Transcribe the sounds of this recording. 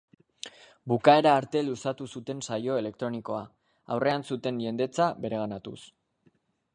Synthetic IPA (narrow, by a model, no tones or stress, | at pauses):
bukae̞ɾaːɾt̪e̞lusat̪usut̪e̞nsajo̞e̞le̞k̚t̪ɾo̞niko̞a | a̰wre̞ansut̪e̞nʎe̞nd̪e̞t͡saβbe̞ɾe̞ɣ̞anat̪ṵs